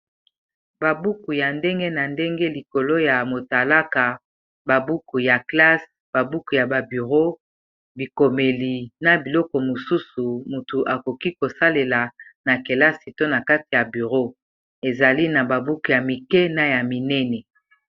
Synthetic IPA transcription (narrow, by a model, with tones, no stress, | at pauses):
ba˨bu˦ku˨ja˨nde˦ŋɡe˦na˨nde˦ŋɡe˦li˨ko˨lo˦ja˨mo˨ta˨la˦ka˨ | ba˨bu˦ku˨ja˨kla˦s | b̥a˨bu˦ku˨ja˨ba˨by˨ʁo˦ | bi˨ko˨me˨li˨na˨bi˨lɔ˦kɔ˨mo˨su˦su˨mu˨tu˨ʔa˨ko˨ki˦ko˨sa˦le˨la˨na˨ke˨la˦si˨to˦na˨ka˦ti˨ja˨by˨ʁo˦ | e˨za˨li˦na˨ba˨bu˦ku˨ja˨mi˨kɛ˦na˨ja˨mi˨nɛ˦nɛ˨